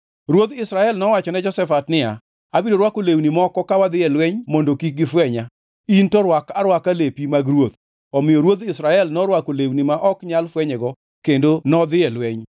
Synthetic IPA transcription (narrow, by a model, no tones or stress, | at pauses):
ɾwot̪ɪsɾaɛlnɔwat͡ʃɔnɛd͡ʒɔsɛfatnɪa̰ | abidoɾwakolewnimɔkɔkawad̪ɪjɛlwɛɲmondokik̚ɡɪfwɛɲa | intɔɾwakaɾwakalepimaɡɾwot̪ | ɔmɪjɔɾwot̪ɪsɾaɛlnɔɾwakolewnimaʔɔkɲalfwɛɲɛɡɔ | kendonɔd̪ɪɛlwɛɲ